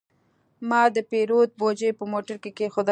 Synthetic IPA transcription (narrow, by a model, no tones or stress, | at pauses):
mɑd̪əpeɾot̪̚bod͡ʒəjpəmoʈaɾkekexʊd̪ɑ